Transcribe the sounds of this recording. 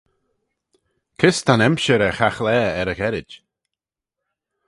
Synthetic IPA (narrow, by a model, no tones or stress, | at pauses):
kʰɪst̪ʰanɛmʃəɾɛxaxlɛːɛɾəxɛɾɪd͡ʒ